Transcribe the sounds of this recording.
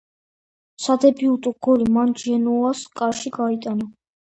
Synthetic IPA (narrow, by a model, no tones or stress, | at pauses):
sad̪ɛbiut̪ʼuɡ̥ɔɾimand͡ʒɛnuaskʼaɾʃiɡait̪ʼana